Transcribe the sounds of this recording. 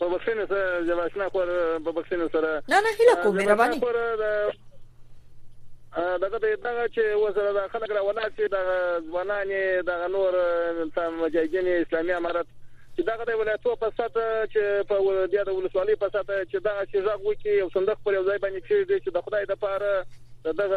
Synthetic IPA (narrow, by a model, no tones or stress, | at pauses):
pəbaxʂinosaɾazabaʃnɑxoɾpəbaxʂinosaɾananaɦɪlakozameɾabɑnixoɾd̪ə | d̪aɣad̪ajd̪aɣat͡ʃewos̬aɾad̪aɣxaləkɾɑwalɑsid̪aɣazwɑnɑned̪aɣanoɾsamad͡ʒɑhid̪ineɪslɑmiamɑɾat̪t͡ʃed̪aɣad̪əwɪlɑjat̪opasat̪at͡ʃepəbjɑd̪əwʊləswɑləjpasat̪at͡ʃed̪aɣat͡ʃeʐaɣwəkijawsand̪ʊxt̪pəɾjawzɑjbɑnd̪ekʂeʐit͡ʃed̪əxʊd̪ɑjd̪əpɑɾad̪əd̪aɣa